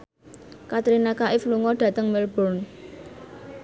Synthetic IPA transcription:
kat̪ɾinakaʔɪfluŋɔɖ̥ä̤t̪əŋmɛlb̥ɔn

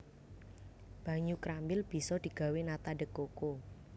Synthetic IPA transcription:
b̥ä̤ɲukɾambɪlb̥i̤sɔd̪̥i̤ɡ̥a̤wenat̪aɖəkːoko

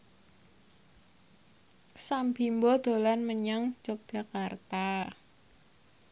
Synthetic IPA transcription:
sambimbɔd̪̥o̤lanməɲaŋd͡ʒɔk̚d͡ʒ̥a̤kart̪a

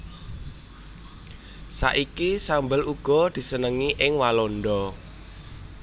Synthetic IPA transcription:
sa̰ʔikisambəluɡ̥ɔ̤d̪̥i̤sənəŋiʔɪŋwalonɖɔ

